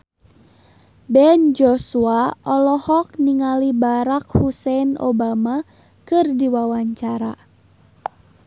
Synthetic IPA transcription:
bɛnd͡ʒɔsuaʔɔlɔhɔk̚niŋalibaɾak̚husɛno̰bama | kɨrdiwawaɲt͡ʃaɾa

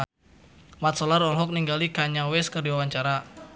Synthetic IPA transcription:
mat̪̚sɔlaɾɔlɦɔk̚niŋɡalikaɲawɛskərdiwawaɲt͡ʃaɾa

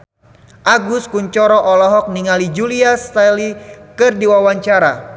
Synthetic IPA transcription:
ʔaɡuskuɲt͡ʃɔɾɔʔɔlɔɦɔk̚niŋalid͡ʒuliast̪alikɨrdiwawaɲt͡ʃaɾa

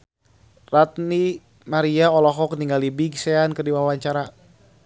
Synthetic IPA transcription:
rat̪ni | maɾiaɔlɔɦɔkniŋɡalibiɡsɛankərdiwawaɲt͡ʃaɾa

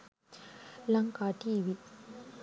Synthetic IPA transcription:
laŋkaʈiwi

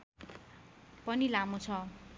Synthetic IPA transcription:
pʌnilamot͡sʰʌ

